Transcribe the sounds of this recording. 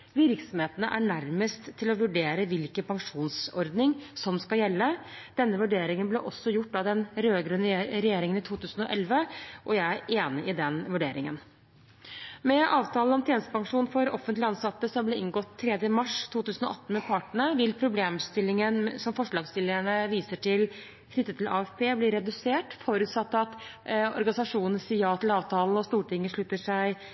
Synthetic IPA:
ʋɪɾksɔmheːt̪ənə̰ʔæɳæɾməst̪ʰːɪlɔʋʉɖeːɾəʋɪlkəpʰɑŋʂuːnsɔɾd̪nɪŋsɔmskɑjɛlːəd̪̥ɛnːəʋʉɖeːɾɪŋənblɛʔɔsːɔjʊʈːd̪ɑd̪ɛnɾøːɡɾʉnɾɛjeːɾɪŋənɪt̪ʰuːt̪ʰʉːsn̩ɔʔɛlʋəʔɔjæɪæʔeːnɪʔɪd̪ɛnʋʉɖeːɾɪŋə̰n | mɛʔɑːʋt̪ʰɑːlnɔmt̪jeːnəst̪əpɑŋʂuːnfɔɾɔfənt̪lɪɑnsɑt̪ːəsɔblɛːɪŋɡɔt̪ʰːɾɛd̪jəmɑʂt̪ʰuːt̪ʉːsnɔ̰ʔɑt̪ːn̩mɛpʰɑʈɳəʋɪlpʰɾʊbleːmst̪ɪlːɪŋənsɔmfɔʂɭɑːɡst̪ɪlːəæɳəʋiːsəʈɪl | kʰnʏt̪ːət̪ʰɪlʔɑ̰ːɛfpʰeːblɪɾɛd̪ʉseːʈfɔɾʉːt̪sɑt̪ːɑt̪ɔ̰ɾɡɑnɪsɑʂuːnnsijɑːt̪ʰɪlɑːʋt̪ʰɑːln̩ɔst̪uːʈɪŋːəʂɭʉt̪ːəʂæɪ

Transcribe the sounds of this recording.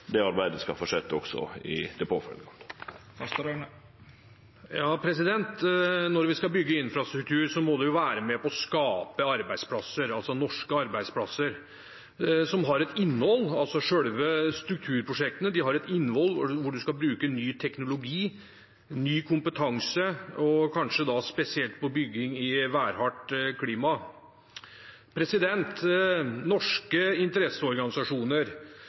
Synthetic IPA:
d̪ɛɑɾbæɪd̪əskɑ̰foːʂɛt̪ːəɔksɔ̰ɪ̰d̪ɛpʰo̰ːfœ̰ləɔt̪ʰːfɑst̪ɾn | jɑːpʰɾɛsɪd̪ɛnt̪nɔɾʋɪskɑlbʏɡːəɪnfɾɑst̪ɾʉk̚t̪ʰʉːɾsɔmod̪ɛjʊʋæːɾəmɛpɔɔskɑːpəɑɾbæɪspʰlɑsːəɾɑlsɔnɔʂkəɑɾbæɪd̪spʰlɑsːəɾ | sɔmɦɑɾɛt̪ɪnːhɔlːɑlsɔʂœɽʋəst̪ɾʉk̚t̪ʰʉːɾpʰɾʊʂɛk̚t̪ənəd̪ɪɦɑɾɛt̪ɪnːəhɔlːʋʊɖʉskɑbɾʉːkənyːt̪ʰɛknʊlʊɡiː | nyːkʰʊmpət̪ʰɑŋsəɔkʰɑnʂəd̪ɑspɛsɪɛlt̪̚pʰɔbʏɡːɪŋɪʋæːɾhɑʈkʰliːmɑ | pʰɾɛsɪd̪ɛnt̪nɔʂkəɪnt̪əɾɛsːəɔɾɡɑnɪsɑʂuːnəɾ

